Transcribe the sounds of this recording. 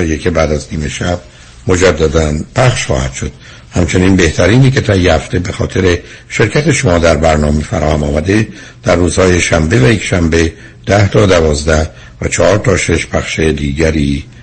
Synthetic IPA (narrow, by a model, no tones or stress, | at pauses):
jekʰʲe̞bæːd̪æzniːme̞ʃæb̥̚ | mo̞d͡ʒæd̪ːæd̪ænpʰæχʃχɒ̰ːhæ̰d̪ʃo̞d̪̥ | hæmt͡ʃʰe̞niːnbe̞ht̪ʰæɾiːniːke̞t̪ʰæjːehæft̪e̞bexɒːt̪ʰe̞ɾe̞ʃe̞ɾcʰæt̪eʃo̞mɒːd̪æɾbæɾnɒːmefæ̰ɾɒːhæmɒːmæd̪e̞ | d̪̥æɾːuːz̥hɒːjeʃæmbe̞væjecʃæmbe̞ | d̪̥æht̪ʰɒːd̪ævɒːzd̪æh | væt͡ʃʰɒhɒːɾt̪ʰɒːʃe̞ʃpʰæxʃed̪iːɟæɾiː